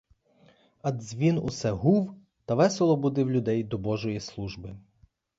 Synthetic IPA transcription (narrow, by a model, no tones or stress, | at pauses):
ɐd̪zʲʋʲinṵsɛɦuw | t̪ɐʋɛselˠɔbud̪ɪwlʲʊd̪ɛjd̪ɔbɔʒɔjislˠuʒbɪ